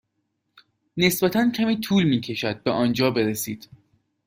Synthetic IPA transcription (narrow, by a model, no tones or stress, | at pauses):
ne̞sbæt̪ʰæncʰæmiːt̪ʰuːlmiːcʰe̞ʃæd̪̚beʔɒːnd͡ʒɒːbe̞ɾesiːd̪̥